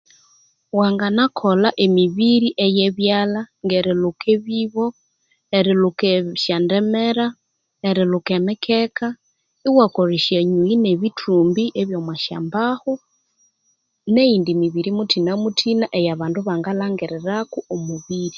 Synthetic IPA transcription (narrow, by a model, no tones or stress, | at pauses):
waŋɡanakʰolaʔemiβiɾiʔejeβjalaŋɡeɾelukʰeβiβo | eɾilukeʃandemeɾa | eɾilukemekʰeka | iwakoɾiʃjeɲuineβitʰuːmbiʔeβjomwaʃa̰mbahu | neindimiβiɾimutʰinamutʰinaʔejaβaːnduβaŋɡalaŋɡeɾeɾakuomuβiɾi